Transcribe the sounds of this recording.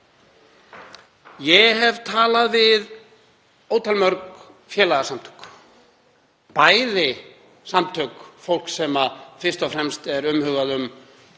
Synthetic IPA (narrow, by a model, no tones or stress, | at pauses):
jɛɦɛvt̪ʰaːlaðvɪð | oːwt̪ʰalmœɾk | fjɛːlaɣasamt̪ʰœ̥k | paːjðɪ | samt̪ʰœkfowl̥ksɛmafɪr̥st̪ɔfɾɛmst̪ɛɾʏmhʏːɣaðʏm